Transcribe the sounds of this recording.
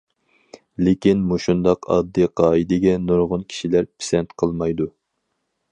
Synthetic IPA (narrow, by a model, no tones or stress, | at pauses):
lɪkʲinmuʃund̪ɑqʰɑ̰d̪ːɨqʰɑːid̪ɪɡʲɛnuɾʁʊnkʲʰi̥ʃilæɾpʰi̥sɛnt̪qʰəlˠmɑjd̪u